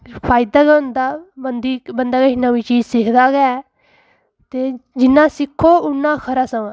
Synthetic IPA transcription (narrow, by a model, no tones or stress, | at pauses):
pʰaːɪd̪aːɡʊnd̪aːbənd̪iːbənd̪aːɡenəʋiːt͡ʃiːd͡ʒsɪkʰd̪aːɡɛː | t̪eːd͡ʒɪnːãːsɪkʰːoːʊnːãːkʰəɾaːsəʋãː